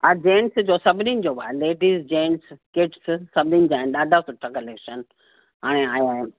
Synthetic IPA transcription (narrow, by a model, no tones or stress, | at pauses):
ad͡ʑẽːnsd͡ʑoːsɐbʱninɪ̆d͡ʑoːba̰ːleːʈiːzd͡ʑẽːnskɪʈssɐbʱɪnind͡ʑaːɦɪnɗaːd̪ʱasʊʈʰakɐleːkʃən | ɦaːɽ̃eaːjaːɦɪn